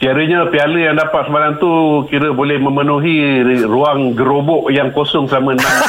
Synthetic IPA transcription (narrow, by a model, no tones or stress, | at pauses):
k̪iaɾəɲãpialəjaŋdapat̪səmalaŋt̪ukiɾəbolɛhmə̃mənuɦiruaŋɡəɾobɔʔjaŋkosɔŋsamə̃na